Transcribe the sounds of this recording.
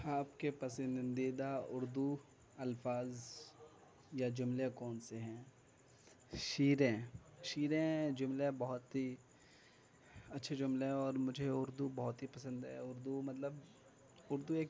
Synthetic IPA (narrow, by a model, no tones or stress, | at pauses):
aːpkepɐsə̃nd̪id̪aʊɾd̪u | ɐlfaːz | jad͡ʒʊmlekɔːnseɦɛ̃ː | ʃiːɾẽʃiːɾẽd͡ʒʊmlebɐɦʊt̪ɦi | ɐtːʃʰed͡ʒʊmleɦɛ̃ɔːɾmʊd͡ʒʱeʊɾd̪ubɐɦʊt̪ɦipɐsə̃nd̪ɦɛ̰ʊɾd̪umɐt̪ləb | ʊɾd̪ueːk